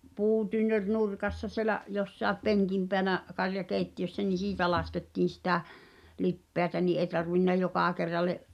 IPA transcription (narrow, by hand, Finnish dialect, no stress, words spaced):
puːtynːør nurkɑsːɑ sielæʔ josːɑˑep peŋkim peænæ kɑrjɑkeˑitːiøsːæ ni siːtæ lɑsketːiːn̞ sitæ lipːeætæ ni ʔeĭ tɑrʋinːɑ jokɑˑ kerːɑlːeʔ